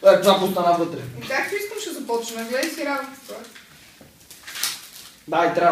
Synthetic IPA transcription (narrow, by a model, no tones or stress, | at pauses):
ɛt̪vapost̪anavɤt̪ɾɛik̪akt̪uiskəmʃezɐpɔt͡ʃnəmɛɡlɛd̪ɛsiɾavut̪ə̥t̪oɛ | d̪ait̪ɾʲa